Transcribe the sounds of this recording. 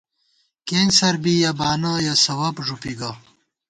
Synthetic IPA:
keːnsɐɾbijɐbaːnɐjasɐwɐpʐupiɡɐ

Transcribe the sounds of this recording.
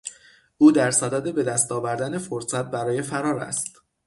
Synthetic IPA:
ʔuːd̪æɾsæd̪æːd̪e̞be̞d̪æst̪ɒːvæɾd̪æne̞foɾsæt̪̚bæɾɒːje̞fæɾɒːɾæ̰st̪

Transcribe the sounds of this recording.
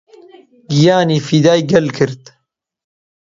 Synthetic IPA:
ɡijaːniːfid̪aːjɡɐlkʰɨɾt̪

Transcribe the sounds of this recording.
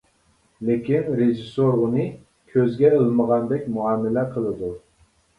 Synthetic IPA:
lɪkʲinɾeʒisoɾunɨ | kʲʰøzɡʲɛəlˠməʁɑnd̪ɛk̚ʲmuɑːmːɪlɛqʰəlˠɨd̪u

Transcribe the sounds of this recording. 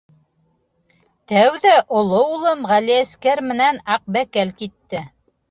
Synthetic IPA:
t̪æwðæʔŏlˠoulˠɤmʁæliæskæɾmɘ̆nænɑq̚bækælkit̪ːɘ

